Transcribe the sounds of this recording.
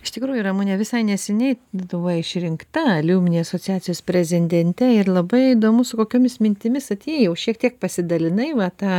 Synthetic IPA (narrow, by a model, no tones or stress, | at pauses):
ɪʃt̪ʲɪkɾuːjurɐmunʲɛʋʲɪsɐɪnʲɛsʲɛnʲɛɪd̪ʊʋɐɪʃʲɾʲɪŋkt̪ɐɐlʲuːmʲɪnʲeːɐsoːt͡sʲɪjæːt͡sʲɪjoːspʲɾʲɛzʲɪnʲd̪ʲɛnʲt̪ʲɛɪrlˠɐbɐɪid̪oːmʊsʊkoːkʲoːmʲɪsmʲɪnʲt̪ʲɪmʲɪsɐt̪ʲeːjɛʊʃʲiɛkt̪ʲiɛk̚pɐsʲɪd̪ɐlʲɪnɐɪʋɐt̪ɑː